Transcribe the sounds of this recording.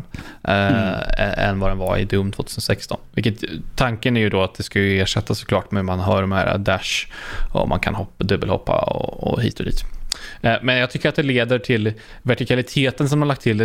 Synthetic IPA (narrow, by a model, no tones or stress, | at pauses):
ɛ̰nːvad̪ɛnvaɾɪ̰d̪ɵmːt̪ʰvoːt̪ʰʉːsənsɛkst̪ʰɔ̰nvɪlkːət̪ʰːaŋkənæɾjɵd̪ɔat̪̚d̪ɛskajɵeːʂɛt̪ʰːasːɔ̥klɑːʈmɛhʉmanɦœːɖɔmhæ̰ːɾa̰d̪æʂɔ̰mʔa̰nkʰa̰nhɔpːd̪ɵbːəlhɔ̰pːa̰ɔ̰ɔ̰hḭːt̪ɔd̪ḭːt̪ | mɛnjɑɡt̪ʰʏkːəɾat̪̚d̪ɛleːd̪əʈʰɪl | væʈɪkʰalɪt̪ʰeːt̪əns̬ɔmaɭak̚t̪ʰːɪld̪ɛ